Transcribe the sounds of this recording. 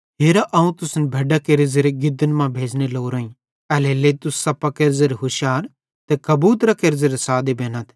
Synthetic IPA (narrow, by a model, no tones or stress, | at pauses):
ɦeːɾaʔɐũt̪ʊsnɛbʱɐɖakeɾɪzeɾeɡɪd̪ənmãbʱeːd͡ʒneloːɾoːĩ | ɛːlelet̪ʊsːɐpɐkeɾzeɾeɦʊʃjaːɾ | t̪ekɐbuːt̪ɾɐkeɾzeɾesaːd̪ebeːnət̪ʰ